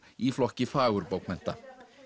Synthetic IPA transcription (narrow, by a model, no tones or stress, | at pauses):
iflɔkɪfawɾbowkmɛn̥t̪a